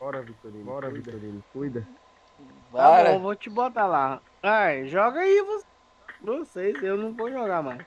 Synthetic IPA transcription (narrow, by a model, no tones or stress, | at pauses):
ɔɾɐvit̪oɾĩɔɾɐvit̪oɾĩnɐkujd̪ɐ | vãvot͡ʃibot̪ala | ajʒɔɡɐivos | vosejsewnɐ̃w̃vowʒɔɡamajs